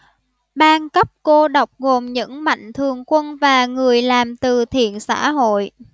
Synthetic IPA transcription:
ɓaː˧nkə˦˥p̚ko˧ɗə˨˩wk͡p̚ɣo˨˩mɲɨ̰˧˥ŋma̰˧˨jŋ̟t̪ʰɨ˨˩əŋkwə˧nvaː˨˩ŋɨ˨˩əjlaː˨˩mt̪ɨ˨˩t̪ʰḭ˧˨ənsa̰ː˧˥ɦo̰˧˨j

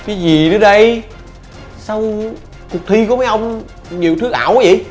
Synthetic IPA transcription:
kaː˨˦jzi˨˩ɗɨ˨˦ɗə˧j | sa˧w | kʊ˨˩k̚t̪ʰi˧ku˧˩˦maː˨˦jʔə˧wŋ͡m | ɲi˨˩əwt̪ʰɨ˦˥k̚ʔa̰ː˧˩wka˨˦vḭ˧˨j

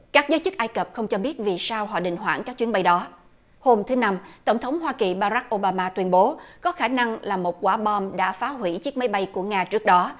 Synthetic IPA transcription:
kaː˦˥k̚zəː˨˦jt͡ɕɨ˦˥k̚ʔaː˧jkə˨˩p̚xə˧wŋ͡mt͡ɕɔ˧ɓi˦˥ət̚vi˨˩saː˧wɦɔ̰˧˨ɗï˨˩ŋ̟ɦwa̰ː˧˩nka˦˥k̚t͡ɕwi˦ənɓa˧jɗɔ˨˦ | ho˧mt̪ʰɨ˨˦na˧mt̪ə˧˩wŋ͡mt̪ʰə˨˦wŋ͡mɦwaː˧ki˨˩ɓaː˧ɾa˦˥k̚ʔo˧ɓaː˧maː˧t̪wi˧ənɓo˨˦kɔ˨˦xaː˧˩na˧ŋlaː˨˩mo˨˩t̚kwaː˧˩ɓɔ˧mɗa̰ː˧˥faː˨˦ɦwi˧˩t͡ɕɨ˦˥ək̚ma˨˦jɓa˧jku˧˩əŋaː˧t͡ɕɨ˦˥ək̚ɗɔ˨˦

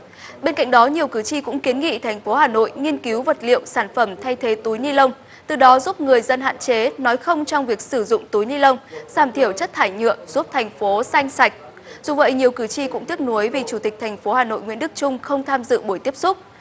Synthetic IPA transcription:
ɓe˧nka̰˧˨ŋ̟̚ɗɔ˨˦ɲi˨˩əwkɨ˧˩t͡ɕi˧kʊ̰˧˥ŋ͡mki˨˦nŋḭ˧˨t̪ʰɛ˨˩jŋ̟fo˨˦haː˨˩no̰˧˨jŋi˧ənki˨˦wvə˨˩t̚lḭ˧˨əwsaː˧˩nfə˧˩mt̪ʰa˧jt̪ʰe˨˦t̪u˨˦jɲi˧lə˧wŋ͡m | t̪ɨ˨˩ɗɔ˨˦zu˦˥p̚ŋɨ˨˩əjzə˧nɦa̰ː˧˨nt͡ɕe˨˦nɔ˨˦jxə˧wŋ͡mt͡ɕɔ˧wŋ͡mvi˨˩ək̚sɨ˧˩zʊ̰˧˨ŋ͡mt̪u˨˦jɲi˧lə˧wŋ͡mz̥aː˧˩mt̪ʰi˧˩əwt͡ɕə˦˥t̚t̪ʰaː˧˩jɲɨ̰˧˨əmz̥u˦˥p̚t̪ʰɛ˨˩jŋ̟fo˨˦sa˧jŋ̟sa˨˩jk̟̚ | zu˨˩və̰˧˨jɲi˨˩əwkɨ˧˩t͡ɕi˧kʊ̰˧˥ŋ͡mt̪ʰi˦˥ək̚nu˨˦əjvi˨˩t͡ɕu˧˩t̪i˨˩k̟̚t̪ʰɛ˨˩jŋ̟fo˨˦haː˨˩no̰˧˨jŋwḭ˧˥ənɗɨ˦˥k̚t͡ɕʊ˧ŋ͡mxə˧wŋ͡mt̪ʰaː˧mzɨ̰˧˨ɓu˧˩jt̪i˦˥əsʊ˦˥k͡p̚

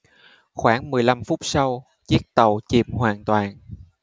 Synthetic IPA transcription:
xwaː˧˩nmɨ˨˩əjla˧mfʊ˦˥k͡p̚sa˧w | t͡ɕi˦˥ək̚t̪ə˨˩wt͡ɕi˨˩mɦwaː˨˩nt̪waː˨˩n

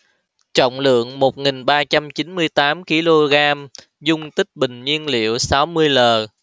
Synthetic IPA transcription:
t͡ɕɔ̰˧˨wŋ͡mlɨ̰˧˨əŋmo˨˩t̚ŋi˨˩ŋɓaː˧t͡ɕa˧mt͡ɕi˨˦nmɨ˧əjt̪aː˨˦mki˧lo˧ɣaː˧m | zʊ˧ŋ͡mt̪ï˦˥k̟̚ɓï˨˩ŋ̟ɲi˧ənlḭ˧˨əwsa˨˦wmɨ˧əjləː˨˩

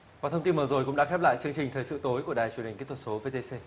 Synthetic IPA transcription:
vaː˨˩t̪ʰə˧wŋ͡mt̪i˧nməː˨˩zo˨˩jkʊ̰˧˥ŋ͡mɗa̰ː˧˥xɛ˦˥p̚la̰ː˧˨jt͡ɕɨ˧əŋt͡ɕï˨˩ŋ̟t̪ʰəː˨˩jsɨ̰˧˨t̪o˨˦jku˧˩əɗaː˨˩jt͡ɕu˨˧˩ənhi̟˨˩ki˦˥ət̪ʰə˧t̚so˨˦ve˧t̪e˧se˧

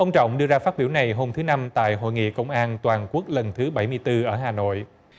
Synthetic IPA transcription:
ʔə˧wŋ͡mt͡ɕɔ̰˧˨wŋ͡mɗɨ˧əzaː˧faː˦˥t̚ɓi˧˩wna˨˩jɦo˧mt̪ʰɨ˨˦na˧mt̪a̰ː˧˨jɦo̰˧˨jŋḭ˧˨kə˧wŋ͡mʔaː˧nt̪waː˨˩nku˦˥ək̚lə˨˩nt̪ʰɨ˨˦ɓa˧˩jmɨ˧əjt̪ɨ˧ʔəː˧˩ɦaː˨˩no̰˧˨j

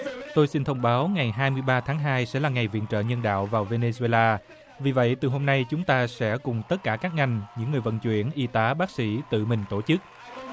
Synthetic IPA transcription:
t̪o˧jsi˧nt̪ʰə˧wŋ͡mɓaː˨˦wŋa˨˩jɦaː˧jmɨ˧əjɓaː˧t̪ʰaː˨˦ŋɦaː˧jsɛ̰˧˥laː˨˩ŋa˨˩jvḭ˧˨ənt͡ɕə̰ː˧˨ɲə˧nɗa̰ː˧˨wvaː˨˩wve˧ne˧zu˧e˧laː˧ | vi˨˩və̰˧˨jt̪ɨ˨˩ɦo˧mna˧jt͡ɕʊ˨˦ŋ͡mt̪aː˧sɛ̰˧˥kʊ˨˩ŋ͡mt̪ə˦˥t̚kaː˧˩kaː˦˥k̚ŋa˨˩jŋ̟ɲɨ̰˧˥ŋːɨ˨˩əjvə̰˧˨nt͡ɕwḭ˧˩ənʔi˧t̪aː˨˦ɓaː˦˥k̚sḭ˧˥t̪ɨ̰˧˨mï˨˩ŋ̟t̪o˧˩t͡ɕɨ˦˥k̚

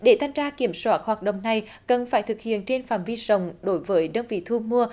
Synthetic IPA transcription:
ɗe˧˩t̪ʰa˧jŋ̟zaː˧ki˧˩əmswaː˦˥t̚hwaː˨˩t̚ɗə̰˧˨wŋ͡mna˨˩j | kə˨˩nfaː˧˩jt̪ʰɨ˨˩k̚hḭ˧˨ənt͡ɕe˧nfaː˧˩mvi˧zə˧˨wŋ͡mɗo˨˦jvəː˨˦jɗə˧nvḭ˧˨t̪ʰu˧mu˧ə

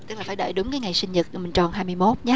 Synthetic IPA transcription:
ɨ˦˥klaː˨˩faː˧˩˦ɗə̰ː˧˨jɗʊ˨˦ŋ͡mkaː˨˦jŋa˨˩jsï˧ŋ̟zɨ˨˩t̚mï˨˩ŋ̟t͡ɕɔ˨˩nɦaː˧jmɨ˧əjmo˦˥t̚ɲa˦

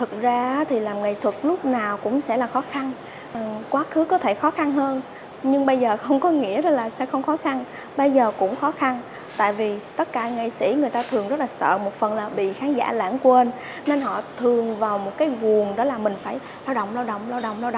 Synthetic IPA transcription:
t̪ʰɨ˨˩k̚zaː˧ʔaː˨˦t̪ʰi˨˩laː˨˩mŋa˨jt̪ʰwə˨˩t̚lʊ˦˥k͡p̚naː˨˩wkʊ̰˧˥ŋ͡msɛ̰˧˥laː˨˩xɔ˨˦xa˧n˨˩ | kwaː˨˦xɨ˨˦kɔ˨˦t̪ʰe˧˩xɔ˨˦xa˧nɦəː˧n | ɲɨ˧ŋɓə˧jzəː˨˩xə˧wŋ͡mkɔ˨˦ŋḭ˧˥əɗɔ˨˦laː˨˩sɛ̰˧˥xə˧wŋ͡mxɔ˨˦xa˧n | ɓə˧jzəː˨˩kʊ̰˧˥ŋ͡mxɔ˨˦xa˧n | t̪a̰ː˧˨jvi˨˩t̪ə˦˥t̚kaː˧˩ŋḭ˧˨sḭ˧˩˥ŋɨ˨˩əjt̪aː˧t̪ʰɨ˨˩əŋzə˦˥t̚laː˨˩sə̰ː˧˨mo˨˩t̚fə˨˩nlaː˨˩ɓḭ˧˨xaː˨˦ŋza̰ː˧˥la̰ː˧˩ŋku˧˩əʔə˧n | ne˧nɦɔ̰˧˨t̪ʰɨ˨˩əŋvaː˨˩wmo˨˩t̚kaː˨˦jvu˨˩ənɗɔ˨˦laː˨˩mï˨˩ŋ̟faː˧˩j | laː˧wɗo̰˧˨wŋ͡mlaː˧wɗo̰˧˨wŋ͡mlaː˧wɗo̰˧˨ŋ͡mla˧wɗo̰˧˨

